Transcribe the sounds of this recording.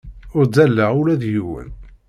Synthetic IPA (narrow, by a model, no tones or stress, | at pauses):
ʊɾd͡zælːəʁʊlæðjiwə̰n